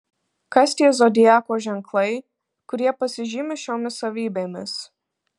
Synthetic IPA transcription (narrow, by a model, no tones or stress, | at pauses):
kɐst̪ʲiɛzod̪ʲɪjæːkoːʒʲɛŋklˠɐɪ | kʊɾʲiɛpɐsʲɪʒʲɪmʲɪʃʲoːmʲɪsɐʋʲiːbʲeːmʲɪ̰s